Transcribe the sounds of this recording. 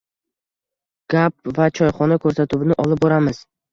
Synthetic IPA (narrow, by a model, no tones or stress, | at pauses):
ɡ̥ap̚vat͡ʃʰɒjχɒnakʰɵɾsat̪ʰʊwɪnɪʔɒlˠɪp̚bɒɾamɪz̥